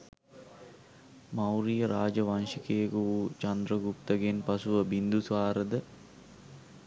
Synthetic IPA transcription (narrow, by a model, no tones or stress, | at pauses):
mawɾijəɾaːd͡ʒəʋanʃikeːkuut͡ʃand̪ɾəɡupt̪əɡenpasuʋəbind̪usʋaːɾəd̪ə